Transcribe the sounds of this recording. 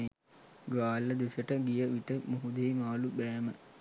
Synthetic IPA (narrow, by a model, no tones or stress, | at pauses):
ɡaːlːəd̪esəʈəɡijəʋit̪əmuɦud̪eːmaːlubæːmə